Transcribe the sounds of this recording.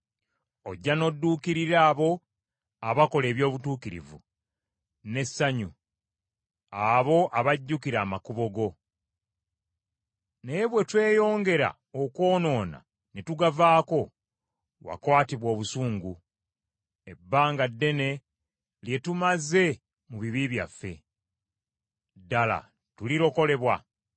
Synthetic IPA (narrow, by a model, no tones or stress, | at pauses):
o̞ɟːano̞dːuːkiɾiɾaːβo̞ | aβako̞le̞ːβjo̞ːβutuːkiɾḭvṵ | ne̞sːaɲṵ | aβo̞ʔaβaɟːukiɾaːmakuβo̞ɡo̞ | neβwe̞twe̞ːjo̞ːŋɡe̞ɾa̰ | oko̞ːno̞ːna̰ | netuɡavaːko̞ | wa̰kwaːtiβwo̞ːβusuːŋɡu | e̞bːaːŋɡadːe̞ne̞ | lje̞tumaze̞ | muβiβiβja̰fːe̞̰ | dala̰ | tuliɾo̞ko̞le̞βwa̰